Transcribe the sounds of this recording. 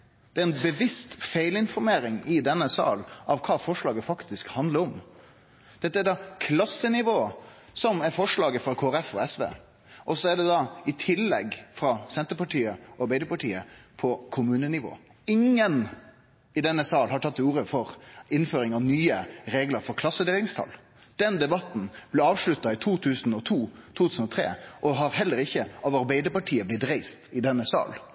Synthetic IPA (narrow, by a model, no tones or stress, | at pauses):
d̪̥ɛæɾɛnbəʋɪst̪feɪlɪnfɔɾmeːɾɪŋɪd̪ɛnːəsɑ̰ːlɑʋkʰɑːfɔʂɭɑːɡəfɑkt̪ɪskhɑnd̪ləɾɔm | d̪̥ɛt̪ːəæd̪ɑkʰlɑsːənɪʋoːsɔmæɾfɔʂɭɑːɡəfɾɑkʰoːæɾɛfɔɛsʋḛː | ʔɔsɔæɖɛd̪ɑɪt̪ʰɪlːɛ̰ɡfɾɑsɛnt̪əɾpɑʈiːəɔɑɾbæɪd̪əɾpɑʈiːəpʰɔkʰʊmʉːnənɪʋo̰ː | ɪŋːən | ɪd̪ɛnːəsɑːlhɑʈʰɑt̪ːɪuːɾəfɔɾɪnføːɾɪŋɑʋnyːəɾeːɡləɾfɔɾkʰlɑsːəd̪eːlɪŋst̪ʰɑ̰l | d̪̥ɛnd̪ɛbɑt̪n̩b̥lɪɑːʋʂɭʉt̪ːɑɪt̪ʰuːt̪ʰʉːsənɔt̪ʰuːt̪ʰuːt̪ʰʉːsnɔt̪ʰɾḛːʔɔɦɑɾɦɛlːəɾɪçːəɑʋɑɾbæɪd̪əɾpɑʈʰiːəblɪt̪ɾeɪst̪ɪd̪ɛnːəsɑ̰ːl